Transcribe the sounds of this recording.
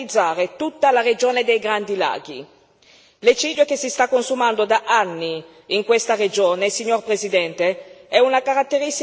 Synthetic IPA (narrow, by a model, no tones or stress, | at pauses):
id̪zːaːɾet̪ut̪ːalaɾed͡ʒoːned̪ejɡɾand̪ila̰ːɡi | let͡ʃiːd̪jokesist̪akːonsumand̪od̪aʔanːi | iŋkwest̪ared͡ʒoːnesiɲːorpɾezid̪ɛnt̪eɛunakaɾat̪ːeɾis